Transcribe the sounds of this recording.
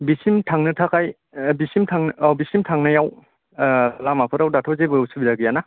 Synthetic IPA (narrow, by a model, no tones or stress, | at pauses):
bisimtʰaŋnɯtʰakaj | bisimtʰaŋbisimtʰaŋnɐjaw | lamapʰɯɾawdatʰɔzebɯsubidaɡɯjana